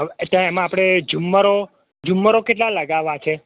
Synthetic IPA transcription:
t̪jãemãapɽ̃ed͡ʒumːəɾo | d͡ʒumːəɾokeʈlaləɡaʋat͡ʃʰe

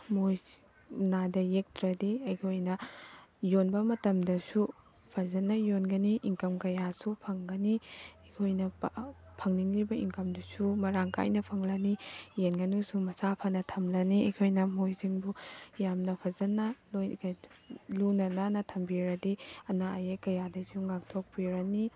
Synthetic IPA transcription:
moj | nadɐjek̚tɾɐdiɐjkʰojnɐ | jonbɐmɐtɐmdɐsu | pʰɐzɐnːɐjonɡɐniʔiŋkɐmkɐjasupʰɐŋɡɐniɐkʰojnɐpʰɐŋniŋlibɐiŋkɐmdusumɐɾaŋka̰jnɐpʰɐŋlɐnijenɡɐnusumɐsapʰɐnɐtʰɐmlɐniɐkʰojnɐmojziŋbujamnɐpʰɐzɐnɐlojɡ | lunɐnanɐtʰɐmbiɾɐdiɐnaɐjekɐjadɐsuŋak̚tʰok̚piɾɐni

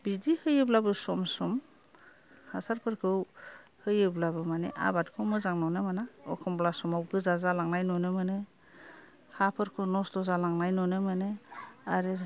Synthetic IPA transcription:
bidihɯjɯblabɯsɔmsɔm | hasaɾpʰɯɾkʰɯwhɯjɯblabɯmaneʔa̰bat̚kʰɯwmɯzaŋnɔwnɯmanaɔ̰kʰɔmblasɔmawɡɯzazalaŋnajnɔnɯmɯnɯ | hapʰɯɾkʰɯwnɔsdɔzalaŋnajnɔnɯmɯneaɾɯ

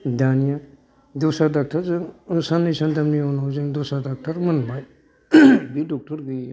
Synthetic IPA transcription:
danija | dɔsadak̚tʰaɾzɯŋsanːisantamniɔnawzeŋdɔsadak̚tʰaɾmɯnbaj | bidɔk̚tɔɾɡi

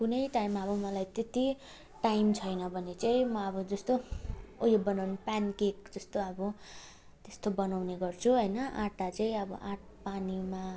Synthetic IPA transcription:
kunʌjʈajmːaʌbʌmʌlajt̪et̪i | ʈajmt͡sʰʌjnʌbʱʌnet͡saĩmʌʌbʌd͡zʌst̪oojobʌnawnpankek̚d͡zʌst̪oʌbʌ | t̪est̪obʌnawneɡʌrt͡sʰuɦʌjnʌaʈːat͡saĩʌbʌ̰ʔaʈ̚ʰ | panima

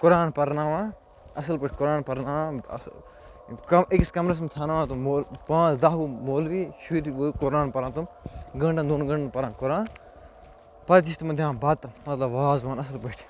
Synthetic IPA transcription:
kʊɾaːnpɐɾnaːʋãː | ɐs̬ɐlpɐʈʰʲkʊɾaːnpɐɾnaːãɐ̰s | kɐekskɐmɾɐs̬mt̪ʰanaʋaːt̪umoːlpãːt͡sd̪aːɦuːmoːlʋiːʃuɾʋukʊɾaːnpɐɾãːt̪umɡɐɳɖɐ̃nd̪oːnuɡɐ̃ɳɖɐnpɐɾãːnkʊɾaːn | pɐɾt̪ist̪mɐd̪ʱʲjãːbɐt̪mɐt̪lɐbʋaːzmãːnɐs̬ɐlpɐʈʰ

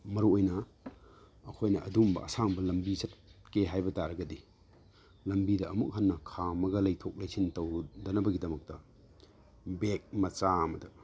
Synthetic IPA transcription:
mɐɾuojnɐ | ɐkʰojnɐʔɐdumbɐ̰ʔɐ̰saŋbɐlɐmbisɐt̚keɦajbɐtaɾɐɡɐdi | lɐmbidɐʔɐmuk̚hɐnːɐkʰamɐɡɐlɐjtʰok̚lɐjsʰintɐwdɐnɐbɐɡidɐmɐk̚tɐ | bek̚mɐt͡ʃamɐdɐ

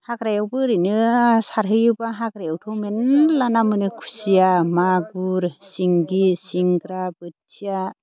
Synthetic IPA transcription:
hakɾajawbɯɾɯnɯsaɾɦɯjɯbaɦakɾajawtʰɯwmenlanamɯnɯkʰu̥sijamaɡuɾsiŋɡisiŋɡɾabɯtʰija

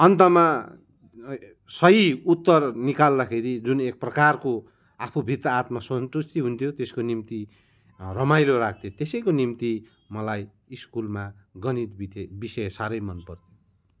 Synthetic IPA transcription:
ʌnt̪ʌma | sʌɦiut̪ːʌrnikald̪akʰeɾid͡zunek̚prʌkarko | apʰubʱit̪ʌːt̪masʌnt̪ust̪iɦunt̪ʰjot̪eskonimt̪i | rʌmajloɾak̚ʰt̪ʰjot̪esʌjkonimt̪i | mʌlaj | iskulmaɡʌnit̪bit̪bisʌjsaɾʌjmʌnpʌrt̪ʰjo

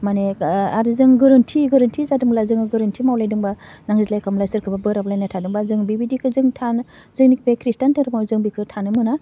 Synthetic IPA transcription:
maneaɾizɯŋɡɯɾɯntʰiɡɯɾɯntʰizadɯmlazɯŋɯɡɯɾɯntʰimawlajdɯŋbanaŋzitlajkʰamlajsɯɾkʰɯbabɯɾablajnatʰadɯŋbazɯŋbibidikʰɯzɯŋtʰan | zɯŋnikʰbakʰɾistantʰɯŋɾɯmazɯŋbikʰɯtʰanɯmɯna

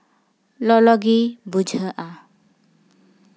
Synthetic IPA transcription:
lɔlɔɡibud͡ʒʱəʔa

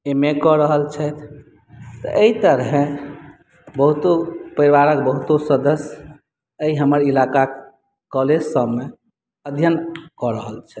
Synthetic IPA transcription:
emekɔɾəɦəlt͡ʃʰɛt̪ʰ | t̪ə̰ʔeit̪əɾɦẽ | bəɦut̪opəɾiwaɾək̚bəɦut̪osəd̪əsj | əiɦəməɾilaka | kɔled͡ʒsəbme | əd̪ʱjənkɔɾəɦəlt͡ʃʰɛ

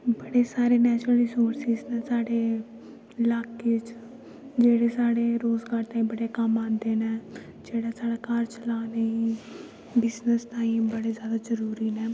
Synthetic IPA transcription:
bəɽeːsaːɾeːnɛːt͡ʃɾəliːsoːɾsɪznɛ̃ːsaːɽeː | laːkɪt͡ʃ | d͡ʒeːɽeːsaːɽeːɾoːzɡaːɾt̪aːĩːbəɽeːkəmãːnd̪eːnɛː | d͡ʒeːɽaːsaːɽaːkəɾt͡ʃəlaːnei | bɪznəst̪ãːĩːbəɽeːzjaːd̪aːzəɾuːɾiːnɛː

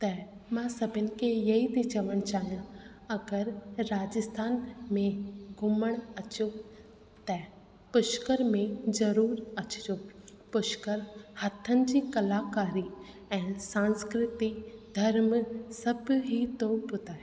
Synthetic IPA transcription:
t̪ɛ | mãsɐbʱɪnɪ̆kejɐɦid̪id͡ʒəʋəɽ̃t͡ʃaːɦijã | ɐɡəɾːaːd͡ʒəst̪ʰaːnmẽɡʱʊməɽ̃ɐt͡ʃo | t̪ɛ | pʊʃkəɾmẽd͡ʒɐɾuːɾɐt͡ʃd͡ʒo | pʊʃkəɾhɐt̪ʰːənɪ̆d͡ʒikɐlaːkaːɾi | ɛ̃ːnsãːnskɾɪt̪id̪ʱɐɾmsɐbɦit̪opʊt̪aːɦɛ

